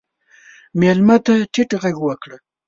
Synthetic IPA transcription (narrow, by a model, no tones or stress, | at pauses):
melmat̪aʈʰɪʈɣaɡwakɽa